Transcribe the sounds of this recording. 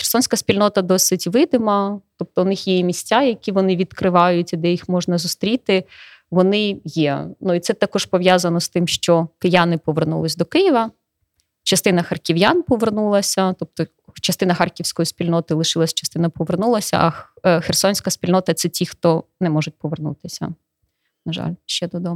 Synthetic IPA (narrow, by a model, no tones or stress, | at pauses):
xersɔnʲsʲkɐsʲpʲilʲnɔt̪ɐd̪ɔsɪtʲʋɪd̪ɪmɐt̪ɔp̚t̪ɔʊnɪxjɛjimʲisʲtʲajɐkʲiʋɔnɪʋʲid̪kɾɪʋɑjʊtʲid̪ɛjixmɔʒnɐzʊst̪ɾʲit̪ɪ | ʋɔnɪjɛnuit̪sɛt̪akɔʒpɔʋjazɐnɔst̪ɪmʃt͡ʃɔkɪjanɪpɔʋernṵlˠɪsʲd̪ɔkɪjiʋɐ | t͡ʃɐst̪ɪn̪ɐxɐrkʲɪʋjanpɔʋernulˠɐsʲɐt̪ɔp̚t̪ɔ | t͡ʃɐst̪ɪnɐxɑrkʲiwsʲkɔjisʲpʲilʲnɔt̪ɪlˠɪʃɪlˠɐsʲt͡ʃɐ̥st̪ɪnɐpɔʋernulˠɐsʲɐ̰ʔɐxersɔnʲsʲkɐsʲpʲilʲnɔt̪ɐt̪sɛtʲixt̪ɔnɛmɔʒʊt̚ʲpɔʋernṵt̪ɪsʲɐ̰ | nɐʒɑ̰lʲʃt͡ʃɛd̪ɔd̪ɔm